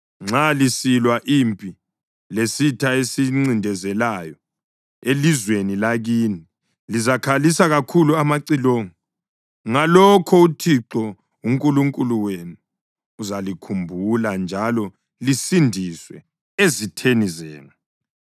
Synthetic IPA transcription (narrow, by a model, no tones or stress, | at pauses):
ŋ͡ǁalisilwaʔiːmpʼi | lesitʰaesiŋ͡ǀindʱɛzɛlajɔ | elizwenilaɣini | lizakʰalisaɣakʰuluamaǀiloːŋɔ | ŋalɔkʰɔutʰiǁɔ | uŋkʼuluŋkʼuluwenuː | zalikʰumbʱuland͡ʒʱalɔ | lisindʱiswɛ | ezitʰenizɛ̰ːŋa